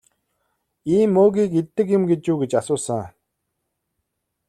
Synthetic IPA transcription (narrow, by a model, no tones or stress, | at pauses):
iːmːoːɣʲiːket̪ːɘ̆k̬jʊmɡet͡ɕuːɡet͡ɕasʊːsə̆ŋ